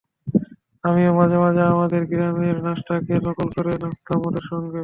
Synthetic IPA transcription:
amiamad͡ʑabad͡ʑaamad̪eɾɡiɾameɾnaʃʈakelɔkolkoɾelɔst̪ʰamoʈeɾʃɔŋɡe

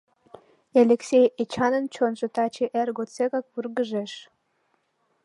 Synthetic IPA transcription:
elʲeksʲejet͡ɕɑnənt͡ɕonʒə̆t̪ɑt͡ɕeʔerɡot͡sekɑk̚βurɣəʒeʃ

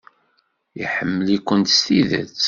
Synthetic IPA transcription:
jḭħəmːəlikʷːənt̪st̪iðæ̰t͡sː

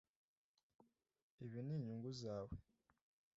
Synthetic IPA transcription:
eβiniːɲuːŋɡuzaːwe

